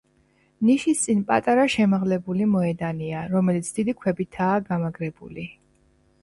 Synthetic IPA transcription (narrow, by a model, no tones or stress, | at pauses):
niʃist̪sʼinpʼat̪ʼaɾaʃɛmaʁlɛbulimɔɛd̪aniaɾɔmɛlit̪sʰd̪̥id̪ikʰwɛbit̪ʰaːɡamaɡɾɛbṵli